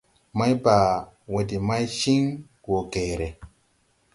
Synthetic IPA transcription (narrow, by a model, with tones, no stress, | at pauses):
ma˦jba˨ | we˨di˨ma˦jʃi˦ŋ | ɡo˨ɡe˨ɾe˨